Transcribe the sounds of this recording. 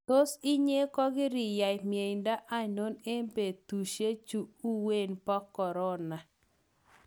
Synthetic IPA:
to˦si˦ɲe˦kɔ˦ɡɪ˦ɾɪ˨ja˨jmje˨ɪnda˦ʔa˦˨no˦ne˦mbe˨t̪u˨ʃe˦t͡ʃu˨u˦we˦˨npɔ˦kːɔ˨ɾɔ˦na˨

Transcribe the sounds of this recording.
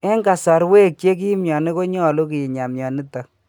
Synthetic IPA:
e˦ŋɡa˨sa˨ɾwe˦k̚t͡ʃe˦k̬i˦mjɔ˨ni˦ko˦ɲɔ˦˨lo˦k̬i˨ji˨ɲa˨mjɔ˨ni˦ta˨

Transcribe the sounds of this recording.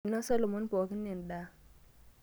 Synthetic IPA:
nɔ˦sa˦lo˨mɔ˦npɔ˨ki˦nːe˨nda˨˦

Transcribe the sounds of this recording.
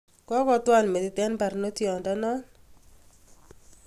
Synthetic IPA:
kɔ˦kɔ˦twa˦˨lme˨tɪ˨tɛ˦npa˨ɾno˦tjɔ˨nda˦nɔ˦n

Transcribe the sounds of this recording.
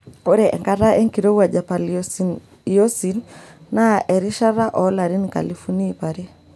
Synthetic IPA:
o˦ɾɛ˨ʔɛ̰˨ŋka˦ɾa˦ʔɛ˦ŋki˨ɾo˦wa˨d͡ʒa˨pa˨l | ɔ˦si˨nna˦ʔɛ˨ɾi˦ʃa˦ɾa˦ʔɔ˨˦la˨ɾi˦nka̰˨lifu˦ni˦pa˨ɾe˦

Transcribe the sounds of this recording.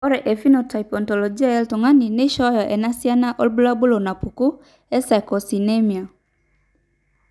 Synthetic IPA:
ɔ˦ɾɛ˨ʔɛ˨fi˦nɔ˨ta˨ipɔ˨ntɔ˨lɔ˨d͡ʒi˦a˦ɛ˦ltɔ˨ŋa˦ni˨ne˦ʃɔ˦jɔ˨ʔɛ˨na˦si˦a˦na˦ʔɔ˦lbu˦la˦bu˦lo˨na˨pu˨ku˦ | ɛ˦sa˨kɔ˨si˨nɛ˦mi˨a˨

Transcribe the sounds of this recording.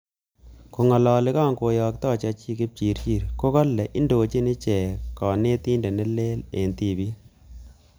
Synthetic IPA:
ko˨ŋɔ˨lɔ˨lɪ˦ka˦˨ŋko˨jɔ˨k̚t̪ɔ˦˨t͡ʃa˨t͡ʃi˦kɪ˦p̚t͡ʃi˨ɾt͡ʃi˦˨ɾko˦kɔ˦lːɛ˨ʔɪ˦ndo˨t͡ʃi˦nɪ˦t͡ʃɛ˨kɔ˨ne˦t̪i˦ndɛ˨nɛ˦le˦le˨nt̪i˦˨bi˦

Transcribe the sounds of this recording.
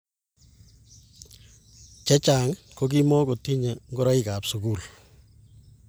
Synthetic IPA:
t͡ʃɛ˦t͡ʃaː˨ŋko˦ki˦mɔ˦ko˨ti˦ɲe˨ŋɡɔ˦ɾɔ˦i˦ka˨psuku˦˨l

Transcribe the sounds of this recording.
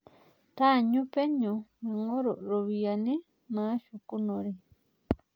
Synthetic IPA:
t̪a˦˨ɲũ˦pe˦ɲõ˧ma˨ŋo˦ɾo˨ɾo˨βia˨nĩ˦ | mã˦ʃu˨ku˦nõ˨ɾe˨

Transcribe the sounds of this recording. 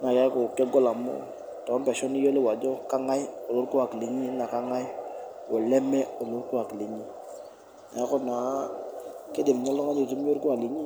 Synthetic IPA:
ŋa˨ka˦ku˨kɛ˦ɡɔ˦la˨mo̰˦ | tɔ˦mpɛ˨ʃɔ˦ni˦jo˦le˦wa˨d͡ʒɔ˦ka˦ŋa˦jo˨lo˦ɾku˦wa˨ki˨li˨ɲi˦na˨ka˦ŋa˦j | wo˨lɛ˦mɛ˦o˨lo˦ɾku˦wa˨ki˨li˨ɲi˦ | na̰˨jɛ˦kɔ˦na˨˦ke˦de˨m˨ɲa˦lu˦ŋa˦ɲo˨tu˦m˦jo˦ɾku˦a˨li˨ɲi˦

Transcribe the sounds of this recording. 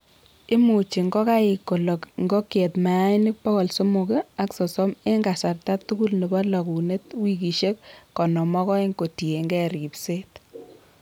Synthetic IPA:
ɪ˦mu˨t͡ʃi˨ŋɡɔ˦ka˦ɪ˨kːo˨lɔ˨kŋɡo˦kje˨tma˨˦ɪ˦nɪ˦k̚pɔ˦kɔ˨lso˦mu˨ke˦a˦ksɔ˨sɔ˦me˦ŋɡa˨sa˨rta˦tu˦ɡu˦lni˨bɔ˦lɔ˨ku˨ne˦twi˦ki˨ʃe˦kːɔ˨nɔ˨mɔ˦kɔ˦e˦ŋko˨ti˨e˨ŋɡɛ˦ɾi˨pse˦t

